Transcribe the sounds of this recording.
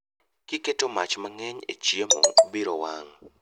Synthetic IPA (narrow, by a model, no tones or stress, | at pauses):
kiketomat͡ʃmaŋɛɲḛt͡ʃiemo̰obiɾowaŋ